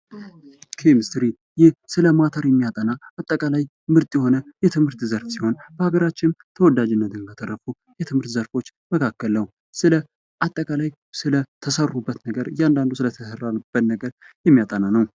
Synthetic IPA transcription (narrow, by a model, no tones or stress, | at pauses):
kʰemɨst̪ɾi | jɪhsɨləmat̪ʰəɾjɛmːijat̪ʼənaat̪ʼːəkʼalaj | mɨɾt̪ʼjɛho̞nəjɛt̪ʰɨmhɨɾt̪zəɾfsiho̞nb̥əhaɡəɾat͡ʃːɪnt̪ʰəwɔd̪ad͡ʒɪnːət̪ʰɨnɡat̪ʰʼərːəfu | jɛt̪ʰɨmhɨɾt̪zəɾfo̞t͡ʃː | məkʰakːəlːəw | sɨlə | ʔat̪ʼːəkʼalaj | sɨlət̪ʰəsərːubːət̪nəɡəɾjɛand̪and̪usɨlət̪ʰəsərːab̥ːət̪nəɡəɾjɛmːijat̪ʼənanəw